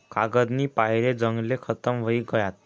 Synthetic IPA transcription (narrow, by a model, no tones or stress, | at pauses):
kʰaɡəd̪niːpaɦjɾed͡zəŋɡlekʰət̪əmʋəiːɡəjat̪̚